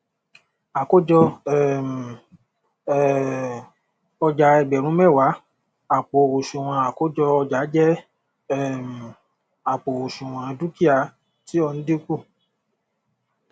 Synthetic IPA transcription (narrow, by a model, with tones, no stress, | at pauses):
a˨ko˦d͡ʒɔ˧ɛ˦˨m̩˨˦˨ | ɔ˧d͡ʒa˨˦ɛ˧ɡ͡bɛ˨ɾ̃ũ˨˦mɛ̃˦˨wa˨˦ | a˨k͡po˨ɾu˨ʃũ˨w̃ã˧a˨ko˦d͡ʒɔ˧ɔ˧d͡ʒa˨˦d͡ʒɛ˦ | ɛ˦˨m̩˨ | a˨k͡po˨ɾo˨ʃũ˨w̃ã˧du˦ki˦a˧˨ | ti˨˦ɔ˧nũ˦di˦ku˦˨